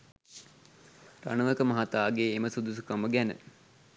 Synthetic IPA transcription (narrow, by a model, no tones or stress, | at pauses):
ra̰nəʋəkəmɐɦat̪aːɡeːməsud̪us̬ukaməɡænə̰